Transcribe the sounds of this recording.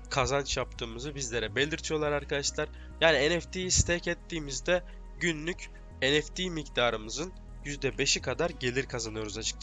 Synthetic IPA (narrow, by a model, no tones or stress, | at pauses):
kʰazant͡ʃjap̚t̪ʰɯːmɯzɯbizlʲe̞ɾɛbe̞lʲiɾt̪ʰijo̞lˠaɾaɾkʰad̪aʃlˠaɾ̥ | jaːniɛnɛft̪ʰijist̪ʰɛcɛt̪ːiːmizd̪ɛ | ɟynlʲyc | ɛnɛft̪ʰiːmicd̪aːɾɯmɯzɯn | jyzd̪ɛbe̞ʃikʰad̪aɾɟe̞lʲiɾkʰazanɯjo̞ɾuzat͡ʃʰɯ̥kt͡ʃa